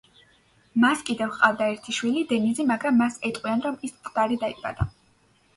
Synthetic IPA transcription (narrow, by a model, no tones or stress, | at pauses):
maskʼid̪ɛvχqʼavd̪aɛɾt̪ʰiʃwilid̪ɛnizimaɡɾamːasɛt̪ʼqʼwianɾɔmist̪sʼqʼd̪̥aɾid̪aiba̰d̪a